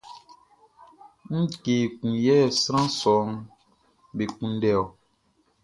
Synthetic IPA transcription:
ŋ̩˦keː˨kũ˨jɛː˦˨sɾ̃ã˦sɔ˨˦ŋ˦ | be˨kũ˨n˦dɛ˨ɔ˨

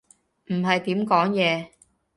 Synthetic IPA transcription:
m̩˨˩ɦɐ˨jt̪iː˨˥mkɔː˨˥ŋjɛː˨˧

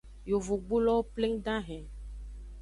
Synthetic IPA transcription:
jo˨vo˨ɡ͡bu˦lɔ˦plẽ˦ŋɖã˦ɦɛ̃˨

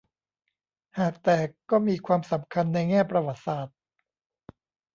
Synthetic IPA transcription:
haː˨˩k̚t̪ɛː˨˩kːɔː˥˩miː˧kʰwaː˧msa˩˦mkʰa˧nːa˧jŋɛː˥˩pɾa˧wa˨˩t̪̚saː˨˩t̪̚

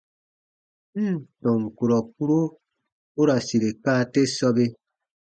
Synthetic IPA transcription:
m̩˦tɔ̃˨ŋ˨ku˨ɾɔ˨p̚u˦ɾo˦ | o˦ɾa˨si˨ɾe˨kaː˦˨te˦sɔ˦be˦

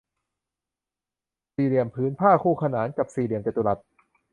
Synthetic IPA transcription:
siː˨˩li˨˩əmpʰɯː˨˦˥npʰaː˥˩kʰuː˧˩kʰa˧naː˩˦nka˨˩p̚siː˨˩li˨˩əmt͡ɕe˨˩t̪u˧la˨˩t̪̚

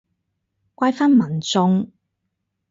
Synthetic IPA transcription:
kʷaː˧jfaː˥nmɐ˨˩nt͡sʊ˧ŋ

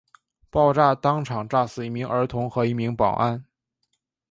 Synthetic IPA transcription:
pɑ˥˧ʊʈ͡ʂa˥˩t̪ɑ˥ŋʈ͡ʂʰɑ˨˩ŋʈ͡ʂa˥˩sɹ̩˨˩i˧˥˩mi˧˥ŋə˞˧˥t̪ʰʊ˧˥ŋxɤ˧˥i˧˥mi˧˥ŋpɑ̰˨˩ʊʔa˥˩n

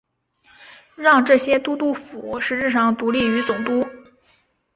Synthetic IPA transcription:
ɻɑ˥˧ŋʈ͡ʂɤ˥˩ɕjɛ˥t̪u˥t̪u˥˩fu˨˩˦ʂɻ̩˧˥t͡ɕ̩˥˧ʂɑ˥˩ŋt̪u˧˥li˥˩y˧˥t͡sʊ˨˩ŋt̪u˥

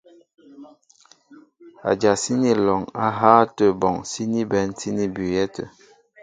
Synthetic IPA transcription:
a̰˨d͡ʒa˨si˦ni˦lɔ˨ŋa˦ɦaː˦tə˨bɔ˨ŋsi˦ni˦bɛ˨˦n˦ti˦ni˦bʉ˨jɛ˦tə̰˨

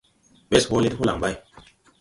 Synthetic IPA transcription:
ɓe˦sho˦le˦tho˦la˨ŋba˦˨j

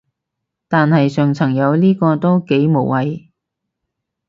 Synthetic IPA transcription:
t̪aː˨nhɐ˨jsœː˨˩ŋt͡sʰɐ˨˩ŋjɐ˨˧wliː˥kɔː˧t̪o˥wke˨˥jmo˨˩wɐ˨j

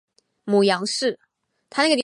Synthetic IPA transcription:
mu˨˩jɑ˧˥ŋʂɻ̩˥˩ | t̪ʰa˥na˥˩ɡə˩

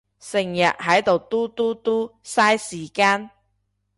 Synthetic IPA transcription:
sɪ˨˩ŋjɐ̰˨t̚hɐ˨˥jt̪o˨wt̪uː˥t̪uː˥t̪uː˥saː˥jsiː˨˩kaː˥n

